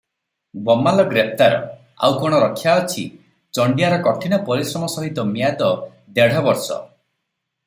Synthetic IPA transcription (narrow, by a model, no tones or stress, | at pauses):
bɔmalɔɡɾep̚ʰt̪aɾɔ̰ | a̰wkɔɽ̃ɔɾɔkʰːjaɔt͡ʃʰḭ | t͡ʃɔɳɖijaɾɔkɔʈʰinɔpɔɾisɾɔmɔsɔɦit̪ɔmijad̪ɔ | d̪eɽ̤ɔbɔɾsɔ̰